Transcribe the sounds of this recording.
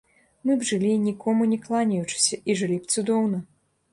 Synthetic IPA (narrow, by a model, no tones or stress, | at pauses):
mɨbʐɨlʲinʲikɔmunʲɛklˠanʲɐjut͡ʂɨ̥sʲɐiʐɨlʲipt̪sud̪ɔwnɐ